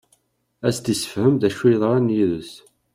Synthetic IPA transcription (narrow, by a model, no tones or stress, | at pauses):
æst̪isə̥fhəmðæʃwiðˤʁɑnjiðəs